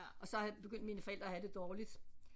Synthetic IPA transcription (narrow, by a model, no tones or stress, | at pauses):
ɒ̽sɒ̽æb̥e̝ɡ̥øn̰d̥miːnəfɒ̽eld̥ʁɐːɦæd̥e̝d̥ɒːlid̥